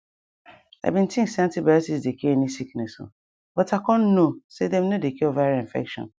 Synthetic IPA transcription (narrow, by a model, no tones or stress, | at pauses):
a̰bĩntʰĩŋksãntibɛsisdekeɛnisiknɛso̰ | b̥ɔtakɔ̃nnosedɛ̃mnedekeovaɾĩɱfɛ̰kʃɔ̰̃n